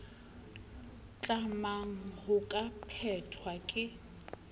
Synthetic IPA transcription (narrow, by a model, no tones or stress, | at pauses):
t͡ɬʼamaŋ̩hʊkʼapʰɛtʰwakʼɪ